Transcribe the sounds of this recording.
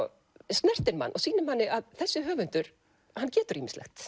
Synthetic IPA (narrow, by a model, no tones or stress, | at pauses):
st̪nɛr̥t̪ɪnma̰nːʔɔɣsiːnʏmhanːɪʔaðθɛsːɪɦœːvʏnt̪ʏɾ̥ | hanːcɛːt̪ʏɾiːmɪnstlʔɛ̰xt̪